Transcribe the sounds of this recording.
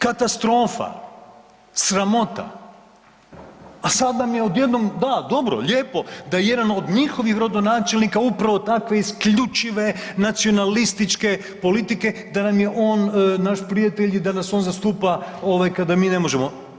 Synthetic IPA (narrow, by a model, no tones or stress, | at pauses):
kat̪ast̪ɾo̞ːfa̰ | sɾamo̞t̪a̰ | sad̪namjeod̪je̞d̪no̞md̪ad̪o̞bɾo̰ʎʲeːpo̞d̪ajeje̞d̪ano̞d̪ɲixo̞ʋixɾod̪o̞naːt͡ʃe̞lnikaupɾaʋo̞t̪akʋe̞iskʎut͡ʃiʋe̞nat̪sio̞nalist̪it͡ʃke̞ | po̞lit̪ike̞d̪anamje̞ʔo̞ːnnaʃpɾijat̪e̞ʎid̪anaso̞nzast̪uːpao̞ʋajkad̪amiːne̞mo̞ʒemo̞